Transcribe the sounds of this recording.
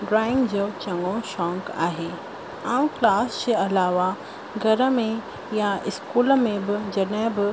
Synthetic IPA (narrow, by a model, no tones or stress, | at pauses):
ɖɾaːɪ̃ŋɡd͡ʑoːt͡ɕɐ̃ŋɡõʃɔ̃ːŋka̰ːɦeː | aːũklaːsd͡ʑeɐlaːʋa | ɡʱɐɾəmẽ | jaɪskuːlə̆mẽbɪd͡ʑɐɗɦɪ̃bɪ